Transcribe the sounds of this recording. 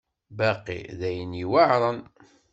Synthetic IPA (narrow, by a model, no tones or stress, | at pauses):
bæqḭðæjəniwaʕɾˤən